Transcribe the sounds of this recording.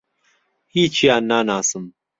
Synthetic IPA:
hiːt͡ʃʰijaːnːaːnaːsɨm

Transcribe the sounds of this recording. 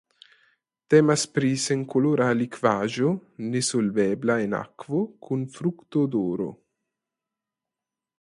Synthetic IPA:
t̪ɛmaspɾiːseŋkoloːɾaːlikvaːʒonesolvɛblaena̰kvokʰunfɾukt̪od̪oːɾo̰

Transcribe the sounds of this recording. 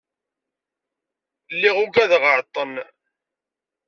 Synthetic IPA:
lːiʁʊɡæðʁəɾt̪ˤːən

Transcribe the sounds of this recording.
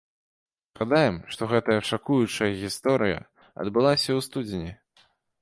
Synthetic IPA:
ɣad̪ajɛmʂt̪ɔɣɛt̪ɐjɐʂakujut͡ʂɐjɐɣʲist̪ɔɾɨjɐ̰ | ɐ̰d̪bɨlˠasʲɐwst̪ud͡zʲɪnʲi

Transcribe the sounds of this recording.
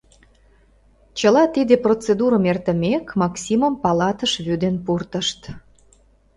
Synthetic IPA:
t͡ɕəlɑt̪id̪eprot͡sed̪uɾəmert̪ə̆mekmɑksʲiməmpɑlɑt̪əʃβyd̪enpurt̪əʃt̪

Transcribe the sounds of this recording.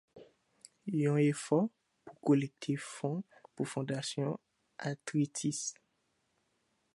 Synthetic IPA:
ɔ̃efɔ | pukolɛk̚t̪ʰefɔ̃pufɔ̃d̪asjɔ̃ | at̪ʁit̪ʰis

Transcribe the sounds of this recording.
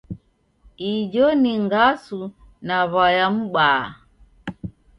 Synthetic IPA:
id͡ʒɔniŋɡasu | naβajam̩ɓaː

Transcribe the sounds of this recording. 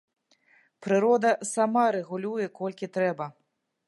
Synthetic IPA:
pɾɨɾɔd̪ɐsamaɾɛɣulʲujɛkɔlʲkʲit̪ɾɛbɐ

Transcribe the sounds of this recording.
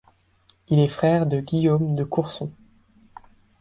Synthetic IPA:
ilɛfχɛʁd̪əɡʲijomd̪əkuʁsɔ̃

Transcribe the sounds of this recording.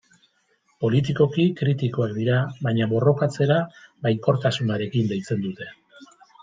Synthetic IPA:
po̞lit̪̬iko̞kikɾit̪iko̞akd̪iɾaβajɲaβo̞ro̞kat͡se̞ɾabajŋko̞ɾt̪asunaɾe̞kind̪e̞jt͡se̞nd̪ut̪e̞

